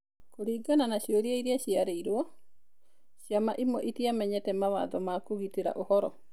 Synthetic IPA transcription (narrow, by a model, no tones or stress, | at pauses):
koɾiːɡananaɕjɔɾiaiɾiaɕiaɾeiɾwɔ | ɕiamaʔimɔʔitiamɛɲɛtɛmawa̰ðɔmakoɣiteɾa̰ʔohɔɾɔ